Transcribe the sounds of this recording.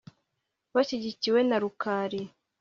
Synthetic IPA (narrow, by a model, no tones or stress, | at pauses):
βaʃiɟiciwe̞naɾukaːɾi